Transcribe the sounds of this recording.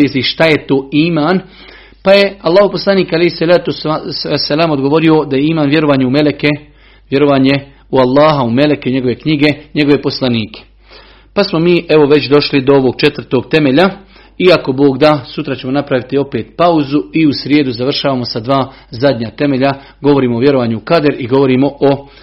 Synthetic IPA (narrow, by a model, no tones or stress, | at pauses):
esiʃt̪aje̞t̪o̞ːiːmaːn | paje̞alːaːɦopo̞slˠaniːkalehisalaːt̪usasːalaːmo̞d̪ɡo̞ʋo̞ɾio̞d̪ajeiːmaːnʋje̞ɾo̞ʋaːɲeumeleke | ʋje̞ɾo̞ʋaːɲe̞ | ualˠːaːɦaume̞lekeuɲeɡo̞ʋe̞kɲiɡe̞ɲe̞ɡoʋe̞po̞slˠaniːkʰe̥ | pasmo̞miːʔeʋo̞ʋe̞t͡ɕd̪o̞ʃlid̪o̞oʋo̞ɡ̥̚t͡ʃe̞t̪ʋr̩t̪o̞ɡt̪e̞meʎa | iako̞bo̞ːɡd̪asut̪ɾat͡ɕe̞monapɾaʋit̪io̞pe̞ːt̪pauzuiusɾjeːd̪uzaʋr̩ʃaːʋaːmo̞sad̪ʋaː | zad̪ɲat̪e̞me̞ʎa | ɡo̞ʋo̞ɾiːmooʋje̞ɾo̞ʋaːɲuukad̪ɾiɡo̞ʋo̞ɾiːmo̞ʔo